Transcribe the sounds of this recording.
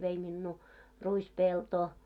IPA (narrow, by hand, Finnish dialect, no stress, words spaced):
ʋei minːuː ruispeltoː